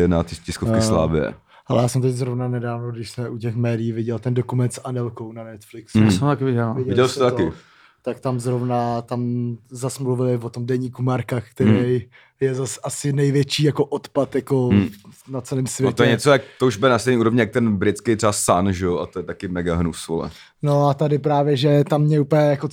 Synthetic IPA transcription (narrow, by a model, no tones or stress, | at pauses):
ɛnat̪ɪcɪskofkɪsla̰ːvɪɛ̰ | alɛ̰jaːsɛmt̪ɛczɾovnanɛdaːvnoɡdɪʃsmɛʔuc̬ɛxmɛːdɪjiːvɪɟɛlt̪ɛndokumɛnt̪sanɛlkownanɛt̪flɪkssɛt̪akɪvɪɟɛlvɪɟɛɪɟɛlsɪ̥t̪ot̪akɪ | t̪akt̪amzɾovnat̪amzasmluvɪlɪvot̪omdɛɲiːkumaɾkakt̪ɛɾɛj | jɛzasasɪnɛjvjɛt͡ʃiːjakoʔot̪pat̪jakonat͡sɛliːmsvʲjɛt̪ojɛɲɛt͡sojak̚t̪ouʒbɪlnast̪ejnɲiuːɾovɲɪjak̚t̪ɛnbɾɪt̪t͡skejt̪r̥ɛbasanʒɛjoʔa̰t̪ojɛt̪akɪmɛɡaɦnufso̰lɛ̰ | no̞at̪adɪpɾaːvjɛʒɛt̪amːɲɛupjɛjako